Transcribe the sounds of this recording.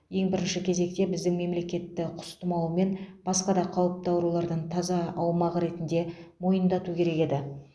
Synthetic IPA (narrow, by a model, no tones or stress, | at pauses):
je̞ŋbɪɾɪnʃɪkʲʰe̞ze̞k̚t̪e̞bɪzd̪ɪŋme̞mle̞kʲe̞t̪ːɪqʰʊ̥st̪əmɑlˠme̞nb̥ɑsqɑd̪ɑqʰɑwəp̚t̪ɑwɾulˠɑɾd̪əɴt̪ʰɑzɑɑwmɑʁəɾe̞t̪ɪnd̪e̞mo̞jənd̪ɑt̪ukʲʰe̞ɾe̞ke̞d̪ɪ